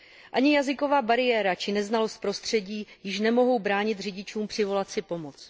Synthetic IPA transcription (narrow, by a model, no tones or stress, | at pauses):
ʔaɲɪjazɪko̞vaːbaɾɪjɛːɾat͡ʃɪnɛznalo̞st̪̚pɾo̞st̪r̝̥ɛɟiːjɪʃ̬nɛmo̞ɦo̞wbɾaːɲɪt̪rɪɟɪt͡ʃuːmpr̥ɪvo̞lat͡sɪpo̞mo̞t͡s